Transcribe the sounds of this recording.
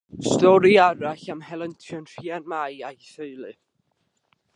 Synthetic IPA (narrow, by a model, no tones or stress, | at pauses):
stɔɾiaɾaɬamhɛlˠəntʰjɔnr̥iːanmajajθəɨlˠɨ